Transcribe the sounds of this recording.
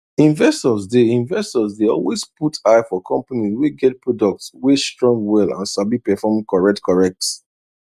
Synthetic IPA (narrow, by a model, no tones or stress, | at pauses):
ĩnvɛstɔzdeĩnvɛstɔzdeɔ̰lwesputʰaɪfɔkʰɔ̃mpaniweɡɛt̚pɹɔdɔk̚tswestɹɔ̃ŋɡwɛlã̰nsabipɛfɔmkɔɹɛk̚tkʰɔɹɛk̚t